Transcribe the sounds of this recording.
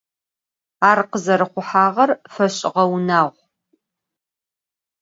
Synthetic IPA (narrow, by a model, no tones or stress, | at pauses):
aːrqəzɐɾɨχʷʊħaːʁɐrfɐɕʼɪʁɐwnaːʁʷ